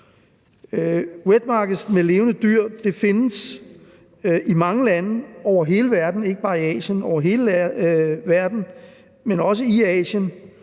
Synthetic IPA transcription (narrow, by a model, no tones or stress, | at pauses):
web̥̚mɑ̈ːɡ̥ð̩ˠsmele̝ːʊnəd̥yɐ̰d̥e̝fe̝nəs | ʔimɑ̈ŋəlænəɒʊ̰ɐɦe̝ːləʋæɐd̥n̩e̝ɡ̥əb̥ɑ̈ːiɛ̰ːɕənɒʊ̰ɐɦe̝ːlə | ʋæɐd̥n̩ | menɒ̽səiɛ̰ːɕən